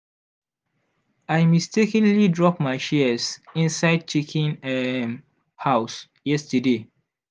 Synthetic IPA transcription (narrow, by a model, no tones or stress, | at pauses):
ajmistekə̃nlidɹɔp̚maɪʃisĩnsaɪd̚t͡ʃikʰĩnɛm | haws | jɛstəde